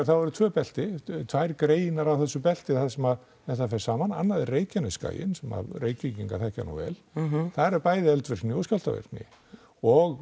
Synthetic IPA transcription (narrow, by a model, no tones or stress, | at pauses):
ɾθaðvɔɾʏt̪ʰvœːpɛl̥t̪ɪt̪ʰvajɾkɾeːjɪnaɾawθɛsːʏpɛl̥t̪ɪθasɛmað | θɛht̪afɛɾ̥saːmana̰nːaðɛrreːjcanɪska̰ːjɪ̰nsɛma̰vrejciciŋkaθɛhca̰ɾnṵvɛ̰ːlθaðɾɛɾpaːjðɪɛlt̪vɪɾ̥t̪nɪɔscal̥t̪a̰vɪ̰ɾ̥t̪nɪ̰ | ɔɣ